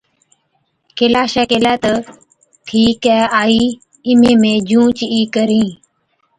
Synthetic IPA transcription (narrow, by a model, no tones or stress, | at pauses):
kelaːʃɛːkelɛːt̪ə | ʈʰiːkɛːaːiː | ɪmẽːmẽːd͡ʒʱũːt͡ʃiːkəɾĩː